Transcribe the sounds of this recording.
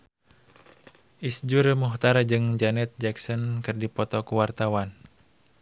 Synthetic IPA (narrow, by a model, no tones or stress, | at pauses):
ʔisd͡ʒurmuɦt̪aɾad͡ʒɨŋd͡ʒanɛt̪̚d͡ʒɛksɔnkɨrdipɔt̪ɔkuwart̪awan